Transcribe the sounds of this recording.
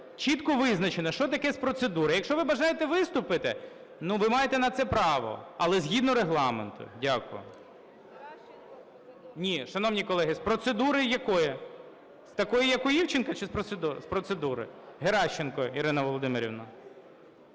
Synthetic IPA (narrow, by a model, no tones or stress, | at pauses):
t͡ʃit̪kɔʋɪznɐt͡ʃenɐʃɔt̪ɐkɛspɾɔt̪sed̪uɾɪjɐkʃt͡ʃɔʋɪbɐʒɑjet̪ɛʋɪst̪ʊpɪt̪ɪ̰ | nuʋɪmɑjet̪ɛnɐt̪sɛpɾɑʋɔ̰ɐlˠɛzʲɦʲid̪nɔɾeɦlˠɑment̪ʊ̰dʲakʊjʊ̰ | nʲiʃɐnɔwnʲikɔlˠɛɦɪspɾɔt̪sed̪uɾɪjɐkɔjɛ | st̪ɐkɔjijɐkʊjiwt͡ʃɪnkɐt͡ʃɪspɾɔt̪sed̪uɾspɾɔt̪sed̪uɾɪ̰ɦeɾɑʃt͡ʃːenkɔiɾɪnɐʋɔlˠɔd̪ɪmɪɾʲḭʋnɐ